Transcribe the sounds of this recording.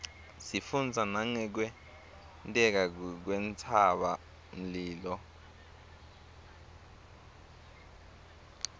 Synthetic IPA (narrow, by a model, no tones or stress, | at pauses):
sifund͡zʱanaŋɛk̬wɛ | ntʼɛk̬ak̬went͡sʰaɓa | m̩liːlɔ